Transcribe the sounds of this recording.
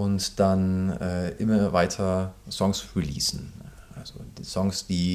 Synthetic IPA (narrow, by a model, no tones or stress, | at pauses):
ʊntd̥anɛːʔɪmɐvaɪtʰɐz̥ɔŋsʁilḭːsn̩ | ʔalz̥o̰d̥iːz̥ɔŋsd̥iː